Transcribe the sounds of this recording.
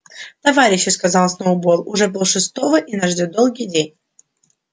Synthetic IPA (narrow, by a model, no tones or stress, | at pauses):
t̪ɐvaɾʲɪɕːɪskɐzɑlˠsʲnəʊbo̞ɾʊʐɛbɨlˠʂɨst̪o̞vəʔinɐʐdʲod̪o̞lˠɡʲijdʲenʲ